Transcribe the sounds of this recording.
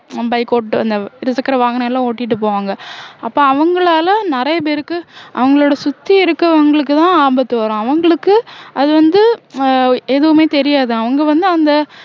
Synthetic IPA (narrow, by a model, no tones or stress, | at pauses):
bɐɪkoːʈʈːɯɐ̰nd̪ɐɪɾɐsɐkːɐɾɐʋaːŋɡɐɳɐɪlːãːoːʈːɪʈːɯp̬oːʋaːŋɡɐɐpːoːɐʋɐŋɡɐɭaːlɐnɪɾɐjɐp̬eːɾɯkːɯʔɐ̰ʋɐŋɡɐɭoːɽɐsʊt̪ːiɪɾɯkːɐʋɐŋɡɐɭɯk̬ːɯt̪ãːaːmbɐt̪ːɯʋɐɾõːɐʋɐŋɡɐɭɯkːɯɐðɯʋɐnd̪ɯ | eðɯʋɯmeːt̪ɛɾɪjaːðɯɐʋɐŋɡɐʋɐnd̪ɯɐnd̪ɐ